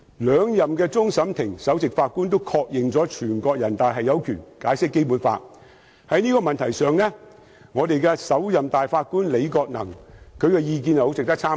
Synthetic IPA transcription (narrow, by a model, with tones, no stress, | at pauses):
lœː˨˧ŋjɐ˨mkɛː˧t͡sʊ˥ŋsɐ˨˥mt̪ʰɪ˨˩ŋsɐ˨˥wt͡sɪ˨k̚faː˧t̚kuː˥nt̪o˥wkʰɔː˧k̚jɪ˨ŋt͡sɔː˨˥t͡ʃʰyː˨˩nkɔː˧k̚jɐ˨˩nt̪aː˨jɦɐ˨jɐ˨˧wkʰyː˨˩nkaː˨˥jsɪ˥kːe˥jpuː˨˥nfa̰ː˧t̚ | hɐ˨˥jniː˥kɔː˧mɐ˨nt̪ʰɐ˨˩jsœː˨˧ŋlɛ˥ | ŋɔː˨˧t̪e˨jkɛ˧sɐ˨˥wjɐ˨mt̪aː˨jfaː˧t̚kuː˥nle˨˧jkɔː˧k̚nɐ̰˨˩ŋkʰɵ˨˧ɥkɛ˧jiː˧k̬iː˧njɐ˨ho˧˥t͡sɪ˨k̚t̪ɐ˥k̚t͡sʰaː˥